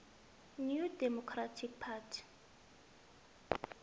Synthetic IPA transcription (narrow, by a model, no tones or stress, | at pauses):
njudɛmokʰɾatʰik̚pʰatʰ